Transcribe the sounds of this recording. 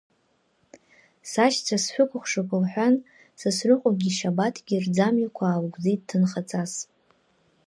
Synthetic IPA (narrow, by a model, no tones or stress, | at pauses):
sat͡ʃʰt͡sʰasħʷᶣʊkʷʰʼʊχʷʂɨkʷʰʼʊlħᶣʷan | sɨsrʷʊqʷʼaɡʲiʃabatʰɡʲird͡zamikʷʰaːwɡʷd͡zittʰɨnχat͡sʼas